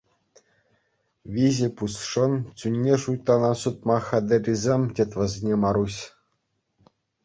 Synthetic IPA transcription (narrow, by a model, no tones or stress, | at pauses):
ʋʲizʲɘ̆pusʂɤ̆nt͡sʲunʲːeʂujt̪ːɑnɑsut̪̚mɑxʲæd̪ʲɘ̆rʲizʲemʲtʲet̪ʲʋɘ̆zʲnʲemɑɾuɕʲ